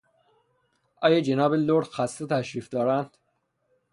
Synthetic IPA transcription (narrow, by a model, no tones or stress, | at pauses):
ʔɒːjɑd͡ʒenɒːbeloɾxæst̪et̪ʰæʃɾiːfd̪ɒːɾænd̪̥